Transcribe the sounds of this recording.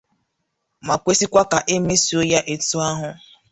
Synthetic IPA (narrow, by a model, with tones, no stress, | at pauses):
ma˨kʷe˦si˦kʷa˦ka˨ʔe˦me˦si˨o˦ja˦ʔe˨tu˦a˦ɦʊ˨